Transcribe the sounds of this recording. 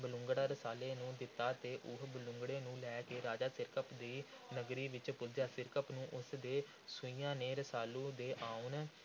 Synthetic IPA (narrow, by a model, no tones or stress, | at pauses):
bəlʊŋɡɽaːɾəsaːleːnũːd̪ɪt̪ːaːt̪eːʔʊɦbəlʊ̃ŋɡɽeːnũːlɛːkeːɾaːd͡ʒaːsɪɾkəpd̪iː | nəɡɾiːʋɪt͡ʃpʊld͡ʒaːsɪɾkəpnũːʔʊsd̪eː | sʊĩːjãːneːɾəsaːluːd̪eːʔaːʊn